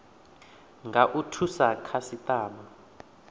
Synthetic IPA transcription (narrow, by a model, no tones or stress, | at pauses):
ŋɡʱaʔutʰusakʰasitʼaːma